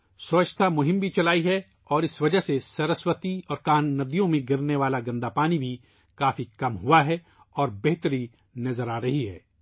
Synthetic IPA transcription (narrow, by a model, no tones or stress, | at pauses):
sɐːt͡ʃt̪ʰamʊɦɪ̃mbʱit͡ʃɐlaːiɦɛ | ɔːɾɪsʋɐd͡ʒəɦsesɐɾəswət̪iɔːɾkaːnːɐd̪ijõmẽɡɪɾneʋaːlaɡɐ̃nd̪apaːnibʱi | kaːfikɐmɦuaɦɛ | ɔːɾbɛɦt̪əɾi | nɐzəɾaːɾɐɦiɦɛ̰ː